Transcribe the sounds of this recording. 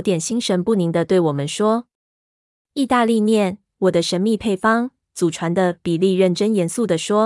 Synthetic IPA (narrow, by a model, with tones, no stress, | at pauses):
t̪jɛ˨˩nɕi˥ŋʂə˧˥npu˥˩ni˧˥ŋd̪ə˧t̪we˥˩ɪwɔ˨˩mə˦nʂwɔ˥ | i˥˧t̪a˥˧li˥˧njɛ˥˩n | wɔ˨˩d̪ə˦ʂə˧˥nmi˥˧pʰe˥˩ɪfɑ˥ŋ | t͡su˨˩ʈ͡ʂʰwa˧˥nd̪ə˧pi˨˩li˥˧ɻə˥˩nʈ͡ʂə˥njɛ˧˥nsu˥˩d̪ə˩ʂwɔ˥